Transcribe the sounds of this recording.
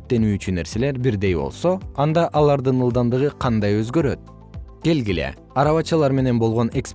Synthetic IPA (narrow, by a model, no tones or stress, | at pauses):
t̪ːe̞nyːt͡ʃynːe̞ɾse̞le̞ɾbiɾd̪e̞jbo̞̰lˠso̞ɑnd̪ɑʔɑlˠɑɾd̪ɯnɯlˠd̪ɑnd̪ɯʁɯqʰɑnd̪ɑjø̞zɡø̞ɾø̞t̪̚ | ɡ̥e̞lɡile̞̰ | ɑɾɑβɑt͡ʃɯlˠɑɾme̞ne̞nbolˠʁo̞ne̞ks